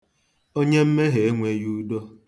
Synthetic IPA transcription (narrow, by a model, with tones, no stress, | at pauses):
o˦ɲe˦m̩˦me˦ɦe˨e˦ŋʷe˦ju˦do˦